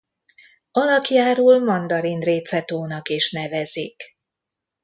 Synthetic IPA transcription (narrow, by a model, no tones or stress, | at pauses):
ɒlɒkjaːɾuːlmɒnd̪ɒɾinreːt̪sɛt̪oːnɒkeːʃnɛvɛzik